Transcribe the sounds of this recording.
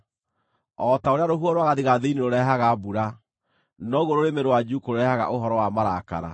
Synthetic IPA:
ɔtaoɾeaɾoɦuɔɾwaɣaðiɣaðeineɾoɾɛɦaɣabuɾa | nɔɣoɾoɾemeɾowad͡ʒukoɾoɾɛhaɣa̰ʔoɦɔɾɔwamaɾaka̰ɾa̰

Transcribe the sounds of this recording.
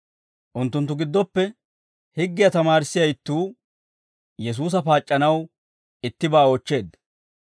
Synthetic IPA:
ʔʊnt̪ːʊnt̪ːʊɡɪd̪ːɔpːɛ | hɪɡːɪjɐt̪ɐmaːɾɪsːɪjɐjt̪ːuː | jɛs̬uːs̬ɐpaːt͡ʃʼːɐnɐw | ɪt̪ːɪbaːot͡ʃːe̞ːd̪ːɐ̥

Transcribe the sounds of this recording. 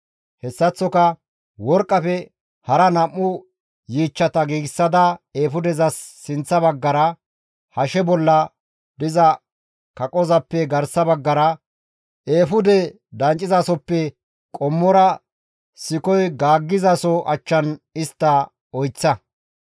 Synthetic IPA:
hɛsːɐt͡sːɔkɐ | wɔɾkʼːɐfɛ | hɐɾɐnɐmːʊ | jiːt͡ʃːɐt̪ɐɡiːɡɪsːɐd̪ɐeːfʊd̪ɛzɐsːɪnt͡sːɐbɐɡːɐɾɐ | hɐʃɛbɔlːɐ | d̪ɪzɐ | kɐkʼɔzɐpːɛɡɐɾsɐbɐɡːɐɾɐ | ʔeːfʊd̪ɛ | d̪ɐnt͡ʃʼːɪzaːsɔpːɛ | kʼɔmːɔɾɐ | sɪkɔjɡaːɡːɪzaːsɔʔɐt͡ʃːɐnɪst̪ːɐ | ɔjt͡sːɐ

